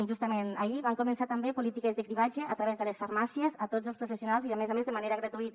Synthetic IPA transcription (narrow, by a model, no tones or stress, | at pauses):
nʒust̪əmenəiβaŋkumənsat̪əmbepulit̪ikəzðəkɾiβad͡ʒəːt̪ɾəβezðələsfəɾmasiezət̪od͡zəlˠspɾufəsiunalˠziðəmezamezðəmaneɾəɣɾət̪uit̪